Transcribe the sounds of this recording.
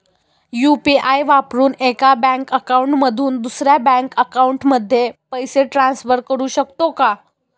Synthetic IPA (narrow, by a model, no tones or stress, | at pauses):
jupiʔajʋapɾuːnekabæ̃ŋkəkauɳʈməd̪ʱuːnd̪usɾjabæ̃ŋkəkauɳʈməd̪ʱːjepəjseʈɾansfəɾkəɾuːɕəkt̪oka